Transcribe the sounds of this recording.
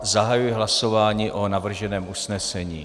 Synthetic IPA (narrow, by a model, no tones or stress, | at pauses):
zaɦajujɛɦlaso̞vaːɲiːʔonavr̩ʒɛnɛːmʔusnɛsɛɲḭː